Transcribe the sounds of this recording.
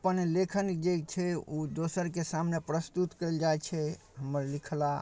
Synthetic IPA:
əpənlekʰənd͡ʒet͡ʃʰɛud̪osəɾkesamnepɾəst̪ut̪kəɪld͡ʒaet͡ʃʰɛ | ɦəməɾlikʰla

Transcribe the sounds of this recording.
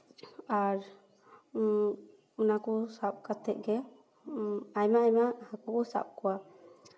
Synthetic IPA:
aɾ | unakɔsap̚kat̪ʰɛʔ̚ɡɛ | ajmaːjmahakɔkɔsa̰b̚kɔwa

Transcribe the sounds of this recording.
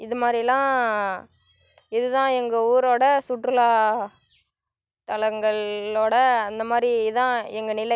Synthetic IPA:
ɪðɯmaːd̪ɾilãː | ɪðɯt̪ãːɛŋɡɐuːɾoːɽɐsʊʈːɾɯlaː | t̪ɐɭɐŋɡɐɭoːɽɐɐnd̪ɐmaːd̪ɾiɪðãːɛŋɡɐnɪlɐ

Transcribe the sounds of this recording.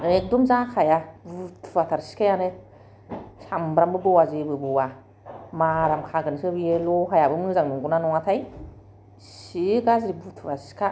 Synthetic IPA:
nek̚dɔmzakʰajabutʰɯat̪ʰaɾsi̥kʰajane | sambɾambɯbɔwazebɯbɯwa | maɾamkʰaɡɯnsɯbielɔɦʰajabɯmɯzaŋnuŋɡunanɔŋat̪ʰaj | siɡazɾibutʰɯvasi̥kʰa

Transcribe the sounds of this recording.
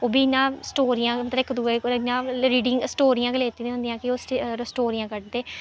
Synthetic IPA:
oːbiːɪnːãːsʈoːɾiːãːmət̪ləbɪkd̪uːekɪnãːɾiːɖɪŋsʈoːɾijãːkəleːt̪iːnĩːõnd̪ijãːkɪoːssʈoːɾijãːkəʈd̪eː

